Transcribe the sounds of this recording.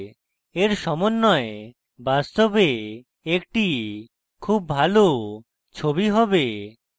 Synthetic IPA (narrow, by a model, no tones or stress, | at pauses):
eɾʃɔmonːɔe | bast̪obe | ek̚ʈi | kʰubːʱalo | t͡ɕʰobiɦɔbe